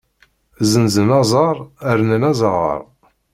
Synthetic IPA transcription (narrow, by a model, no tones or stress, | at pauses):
zənzənɑzˤɑɾˤəɾnənɑzˤɑʁə̰ɾˤ